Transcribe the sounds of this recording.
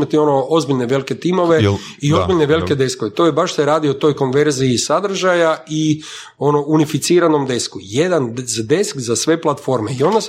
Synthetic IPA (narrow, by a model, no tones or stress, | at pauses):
mat̪io̞noo̞zbiʎneʋe̞like̞t̪imo̞ʋe | io̞zbiʎneʋe̞like̞d̪e̞sko̞ʋet̪oːjebaʃseɾaːd̪iot̪o̞jko̞nʋe̞ɾziisad̪r̩ʒajai | o̞no̞unifit̪siːɾano̞md̪e̞skujed̪anzd̪e̞skzasʋe̞plˠat̪fo̞ɾmeio̞nd̪as